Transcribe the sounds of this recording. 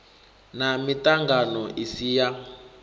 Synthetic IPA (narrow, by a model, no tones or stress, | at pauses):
namitʼaŋɡanɔʔisija